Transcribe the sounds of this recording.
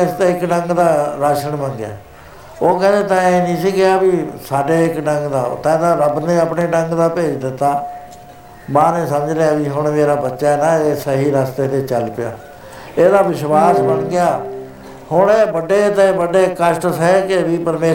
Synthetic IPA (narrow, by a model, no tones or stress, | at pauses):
ɪst̪eːɪkɖəŋɡd̪aːɾaːʃəɳbənɡɪja̰ː | oːkɛ̃ːd̪eːt̪ãeːnĩːsiːɡɪaːbiːsaːɖeːɪkɖəŋɡd̪a̰ːt̪ɛ̃ːd̪aːɾəbnẽːəpneːɖəŋɡd̪aːpeːd͡ʒd̪ɪt̪ːaː | mãːnẽːsəməd͡ʒleaːbiːɦʊɳ̃meːɾaːbətːʃaːɛːnãːeːsəɦiːɾaːst̪eːt̪eːt͡ʃəlpɪja̰ː | eːd̪aːʋɪʃwaːsbəɳɡɪjaː | hʊɳeːbəɖeːt̪ẽbəɖeːkəʃʈsɛkeʋiːpəɾmeː